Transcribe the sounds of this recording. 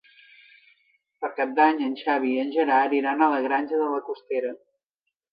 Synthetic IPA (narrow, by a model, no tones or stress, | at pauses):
pəɾkap̚d̪aɲənʲʃaβ̞iənʲʒəɾaɾiɾanələɣɾanʲʒəðələkust̪eɾə